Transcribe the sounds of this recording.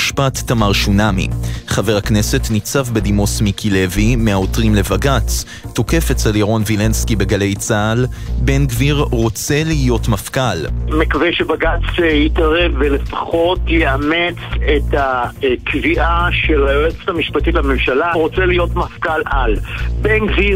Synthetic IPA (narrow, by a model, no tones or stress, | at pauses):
ʃpatːamaʁʃunamḭχave̞ʁakne̞se̞tnit͡savbe̞d̪imo̞smikʰile̞vimeaotʁimle̞vaɡat͡sː | o̞ke̞fet͡seljeʁo̞nvilenskibe̞ɡale̞jt͡saːlbe̞nɡviʁʁo̞t͡se̞liːjo̞tmafkalmekavejʃebaɡat͡sejitaʁevːelefḁχo̞tjeamet͡setakviʔaʃelaoet͡stamiʃpatitlamemʃalaʁo̞t͡seliːjo̞tmafkalalbenɡvi